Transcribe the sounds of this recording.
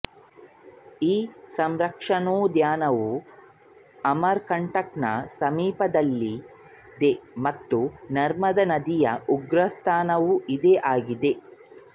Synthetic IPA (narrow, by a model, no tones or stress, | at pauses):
iːsɐmɾɐkʂɐnoːd̪jaːnɐʋu | ɐmɐɾkɐɳʈɐknɐ̰sɐmiːpɐd̪ɐlːi | d̪emɐt̪ːunɐɾmɐd̪ɐnɐd̪ijɐʔuɡɾɐst̪ʰaːnɐʋuʔid̪eʔaːɡid̪e̞